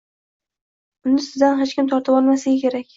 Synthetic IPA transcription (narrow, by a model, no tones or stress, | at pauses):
ʊnːɪsɪzd̪anɦet͡ʃkʲɪmt̪ʰɒɾt̪ʰɪpɒlˠmasaɡʲakʲe̞ɾakʲ